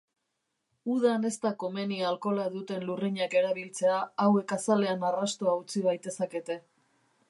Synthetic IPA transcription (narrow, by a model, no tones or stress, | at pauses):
uðane̞st̪ako̞me̞nialko̞laðut̪e̞nluriɲake̞ɾaβ̞ilt͡se̞aːwe̞kasale̞anarast̪oaut͡siβajt̪e̞sake̞t̪e̞